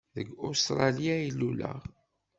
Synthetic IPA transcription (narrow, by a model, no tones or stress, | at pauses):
ðəɡʊst̪ɾˤɑlijailːulə̰ʁ